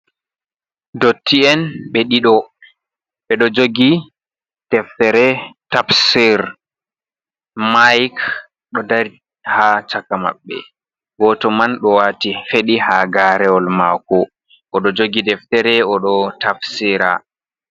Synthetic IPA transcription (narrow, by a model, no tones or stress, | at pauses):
dotːiɛnɓɛɗiɗɔ | ɓɛɗɔd͡ʒoɡi | d̥ɛftɛɾɛtafsiɾ | majk | ɗɔdaɾ | hat͡ʃakama̰ɓːɛ̰ | ɡɔtɔmanɗɔwaːtifeɗihaɡaɾɛɔlmakɔ | ʔɔɗɔd͡ʒoɡidɛftɛɾɛɔɗɔtafsiɾa̰